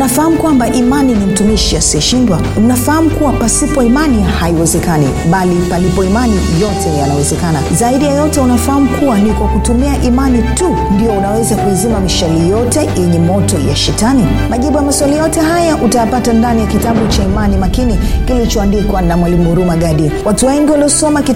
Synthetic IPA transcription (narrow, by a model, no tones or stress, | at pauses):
nafahamukwambaʔimaninim̩tumiʃiasiɔʃindwanafahamukuwapasipɔimanihaiwɛzɛkani | ɓalipalipɔimani | jɔtʰɛjanawɛzɛkanazaiɗijajɔtɛunafaham̩kʰuwanikwakutumiaʔimanitu | ndiɔunawɛzakuizimamiʃalijɔtɛjɛɲɛmɔtɔja̰ʃɛtani | maʄiɓujamaswaliajɔtɛɦajaʔutajapatandanijakitaɓut͡ʃaimanimakinikilit͡ʃɔandikwanamwalimuɾumaɠaɗiwatuwɛŋɡiwaliɔsɔmaki